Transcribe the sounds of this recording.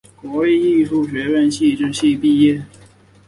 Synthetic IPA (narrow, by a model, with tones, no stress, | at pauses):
kwɔ˧˥li˥˧i˥˧ʈ͡ʂʰu˥˩ɕɥɛ˧˥ɥə˥˧nɕi˥˧ʈ͡ʂɻ̩˥˧ɕi˥˧pi˥˧jɛ˥˩